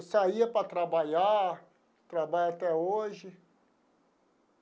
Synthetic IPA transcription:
saiɐpɾɐt̪ɾabaʎa | t̪ɾabalat̪ɛoʒɪ

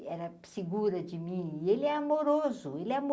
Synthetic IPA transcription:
ɛɾɐ | sɪɡuɾɐd͡ʒɪmĩielɪɛamoɾozʊelɪɛamo

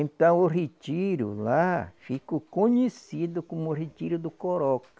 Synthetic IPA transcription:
ẽnt̪ɐ̃w̃oret̪iɾʊ̰lafikʊkõɲesid̪ʊkõmʊret̪iɾʊd̪ʊkoɾɔkɐ̥

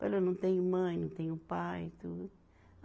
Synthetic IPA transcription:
pelonɐ̃w̃t̪ẽj̃mɐ̃j̃nɐ̃w̃t̪ẽj̃upajt̪u

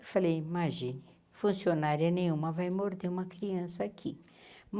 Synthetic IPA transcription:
falejimaʒĩnɪ | fũsionaɾiɐnẽj̃ũmɐvajmoɾd̪eũmɐkɾiɐ̃sɐːkʰi | m

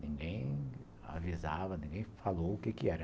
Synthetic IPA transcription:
nĩŋɡẽj̃ | a̰vizavɐnĩŋɡẽj̃falowʊkekɪɛɾɐ

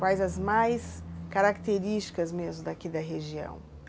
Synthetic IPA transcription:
wajzɐzmajskaɾakt̪eɾist͡ʃi̥kɐzmezmʊd̪akid̪ɐɦeʒiɐ̰̃w̃

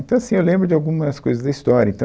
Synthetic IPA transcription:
nt̪ɐ̃w̃ɐsĩewlẽmbɾʊd͡ʒɪawɡũmɐskojzɐzd̪ɐist̪ɔɾjɐĩt̪ɐ̃

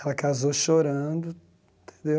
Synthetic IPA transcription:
ɛlɐkazoʃoɾɐ̃d̪ʊ̃ | t̪ʰẽ̥nd̪e

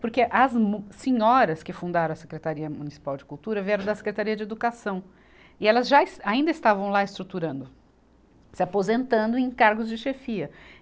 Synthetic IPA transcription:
poɾkeʔɐzmsẽɲɔɾɐskɪfũnd̪aɾɐ̃ɐse̥kɾet̪aɾiɐmunisi̥pawd͡ʒɪkuwt̪uɾɐviɛɾɐ̃w̃d̪ɐse̥kɾet̪aɾiɐd͡ʒɪed̪ukasɐ̃w̃ | ɪɛlɐzʒasaĩnd̪ɐɪst̪avɐ̃w̃laɪst̪ɾut̪uɾɐ̃nd̪ʊ | sɪapozẽnt̪ɐ̃nd̪ʊẽj̃kaɾɡʊzd͡ʒɪʃefiɐ

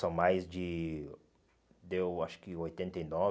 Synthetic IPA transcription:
sɐ̃w̃majzd͡ʒɪ | d̪ewaʃʊ̥kɪojt̪ẽnt̪ejnɔ

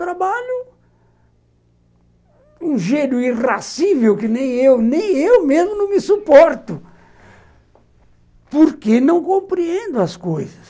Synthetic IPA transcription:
t̪ɾabaʎʊ | ũʒejnʊirasivewkɪnẽj̃ewnẽj̃ewmezmʊnɐ̃w̃mɪsupɔɾt̪ʊ | poɾkenɐ̃w̃kõmpɾiẽnd̪ʊɐskojzɐs

